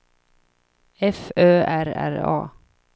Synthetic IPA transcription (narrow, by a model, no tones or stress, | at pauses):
ɛføːʔæɾæ̰ɾɑ̰ː